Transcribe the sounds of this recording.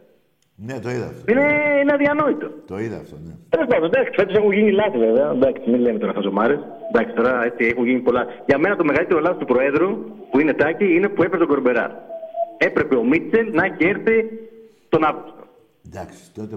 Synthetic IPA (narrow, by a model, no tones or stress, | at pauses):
net̪oiðɐineineɐðiɐno̞it̪o̞t̪oiðɐ̰ft̪ont̪eles̬pɐnd̪ond̪ɐksi̥fet̪osexuʝinilɐθive̞veɐd̪ɐksimilemet̪o̞ɾɐθɐsomɐɾes | d̪ɐksit̪o̞ɾɐe̞t͡siexunʝinipo̞lɐʝɐme̞nɐt̪o̞me̞ɣɐlit̪e̞ɾolɐθi̥st̪upɾo̞e̞ðɾupuine̞t̪ɐciine̞pue̞pest̪oɡo̞ɾbe̞ɾɐ̰ɾe̞pɾe̞pe̞o̞mit̪selnɐceɾθi | t̪o̞nɐvɣupst̪o | d̪ks